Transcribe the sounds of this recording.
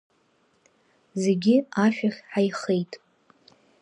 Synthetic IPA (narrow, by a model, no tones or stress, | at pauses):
zeɡʲɪaʃᶣaχʲħajχe̞jtʼ